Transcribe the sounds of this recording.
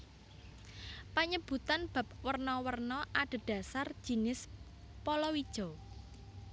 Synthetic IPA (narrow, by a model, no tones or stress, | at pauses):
paɲəb̥ṳt̪anb̥ä̤p̚wərnɔwərnɔʔaɖ̥ə̤ɖ̥a̤sar̥ʒ̥i̤nɪs | pɔlɔwid̥ʒ̥ɔ